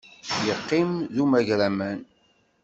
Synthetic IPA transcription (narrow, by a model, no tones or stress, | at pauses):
jəqːimðumæʝɾæmæn